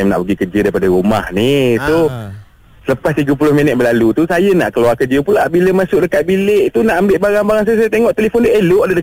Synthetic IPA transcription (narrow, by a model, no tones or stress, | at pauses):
mna̰ʔpəɡikəd͡ʒədaipadaɾuma̰hnisu | sələpast̪iɡap̬ulʊhminət̪̚bəlalut̪usajəna̰ʔkəluarkərd͡ʒəpulabiləmasʊk̚dəkat̪̚bileʔt̪unaʔambɪʔbaɾaŋbaɾaŋsajasajat̪eŋɔʔt̪elefʊndəʔeloʔdədə